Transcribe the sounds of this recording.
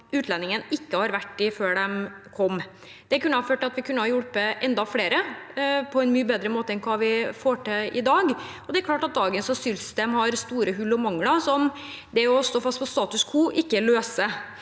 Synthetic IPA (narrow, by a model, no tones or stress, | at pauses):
ʉːt̪lɛnːɪŋənɪkːəhɑɾʋæʈːɪføːɖɛmkʰɔmː | d̪̥ɛæɾkʉnːəɑføːʈɪɑt̪ʋɪkʰʉnːəhɑɾjʊɽpəʔɛnd̪ɑfleːɾəpʰɔɛnmyːəbeːd̪ɾəmoːt̪əɛnkʰʋɑːʋɪfoːʈeɪ̰d̪ɑːɡ | ɔd̪ɛɛɾklɑːʈɑt̪̚d̪ɑːɡənsɑsʏlst̪eːmhɑɾst̪uːɾəɦʉlːɔmɑŋlɑsɔm | d̪ɛɔst̪oːfɑst̪̚pʰɔst̪ɑːt̪ʉskʰuːʔɪkːəløːsə